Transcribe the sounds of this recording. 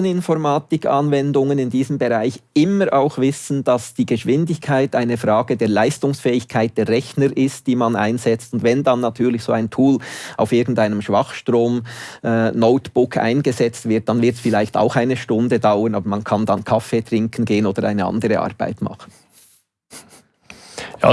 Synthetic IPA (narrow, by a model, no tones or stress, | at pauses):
ənɪnfɔɾmaːtɪkʰɑnvɛndʊŋənɪndiːzəmbɛʁaɪçɪməɾʔaʊxvɪsn̩d̥ɑsd̥iːɡ̥əʃvɪndɪçkʰaɪtaɪnəfʁaːɡ̥ədeːɐlaɪstʊŋsfɛːɪçkʰaɪt̚d̥eːɛçnəɾʔɪstd̥iːmɑna̰ɪnzɛt͡stʊndvɛndɑnːɑtʰyːɐlɪçz̥oːaɪntʰuːla̰ʊfɪɐɡn̩taɪnəmʃv̥ɑχʃtʁoːmʔɛːnoʊtb̥ʊkʰa̰ɪnɡəzɛt͡stvɪɐt̚d̥ɑnvɪtsfɪlaɪçta̰ʊxaɪnəʃtʊndədaʊənɑːbəɾmɑnkʰɑndɑnkʰɑfeːtɾɪŋkn̩ɡeːənoːdəɾʔa̰ɪnəʔɑ̰ndəɾəʔɑ̰ʁb̥a̰ɪtmɑ̰χən̩ | ja̰